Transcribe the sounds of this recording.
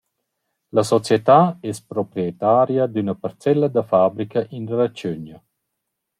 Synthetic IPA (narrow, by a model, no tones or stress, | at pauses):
lɐsɔt͡sjet̪aɛspɾɔpɾiet̪aɾjɐd̪ynɐpaɾt͡sɛlːɐd̪əfabɾikɐʔinɾat͡ʃøɲɐ